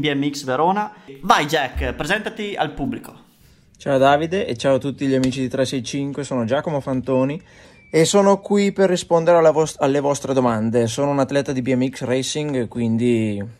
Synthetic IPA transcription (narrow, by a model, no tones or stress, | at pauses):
biɛmiksveɾoːnavajd͡ʒɛkːpɾezɛnt̪at̪ia̰lpubliko̥ | t͡ʃaːod̪aːvid̪eʔet͡ʃaːot̪ut̪ːiʎiamiːt͡ʃid̪it̪ɾɛsɛjt͡ʃiŋkwesoːnod͡ʒaːkomofant̪oːni | esoːnokwiperːispond̪eɾealalːevɔst̪ɾed̪omand̪es̬oːnounat̪ːlɛt̪ad̪ibiɛmːiksrɛjsiŋɡkwind̪i